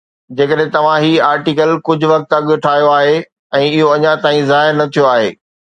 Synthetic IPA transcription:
d͡ʑeːkəɗɦẽt̪ɐʋ̤ãɦiːaːɾʈiːkəlkʊd͡ʑʱʊ̆ʋɐk̚t̪ɐɠʊʈʰaːijoaːɦe | ɛ̃ːɪɦoɐɲãt̪aːĩzaːɦɪɾnɐt̪ʰijoaːɦeː

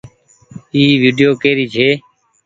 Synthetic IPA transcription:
iːʋiːɖɪjoːkeːɾiːt͡ʃʰeː

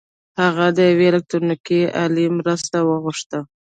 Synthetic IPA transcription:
haɣad̪əjaweːlak̚t̪ɾunikialimɾəst̪awəɣʊʂt̪ə

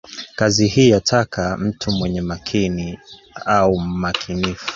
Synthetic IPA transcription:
kazihiːjatʰakʰam̩tʰumwɛɲɛmakʰini | aum̩makʰinifu̥

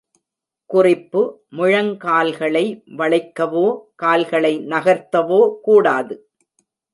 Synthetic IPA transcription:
kʊrɪpːɯ | mʊɻɐŋkaːlɣɐɭɐɪʋɐɭɐɪkːɐʋoːkaːlɣɐɭɐɪnɐɣɐɾt̪ːɐʋoːkuːɽaːðɯ

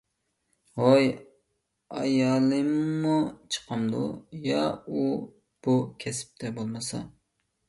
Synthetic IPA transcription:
hoj | ɑjɑlˠɨmːut͡ʃʰə̥qʰɑmd̪ṵjɑu | b̥ukʲʰɛsɪ̥p̚t̪ʰɛbolˠmɨsɑ̰

